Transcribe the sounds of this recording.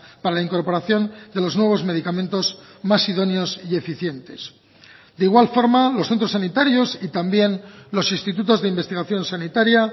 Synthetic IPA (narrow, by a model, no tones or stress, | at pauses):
paɾalaiŋko̞ɾpo̞ɾaθjo̞nd̪e̞lo̞znwe̞β̞o̞zme̞ð̞ikamẽnt̪o̞zmasiðo̞njo̞sie̞fiθje̞nt̪e̞s | d̪eiɣwalfo̞ɾmalo̞sθent̪ɾos̬anit̪aɾjo̞sit̪ambje̞nlo̞sinst̪it̪̬ut̪o̞zðe̞imbest̪iɣaθjo̞nsanit̪aɾja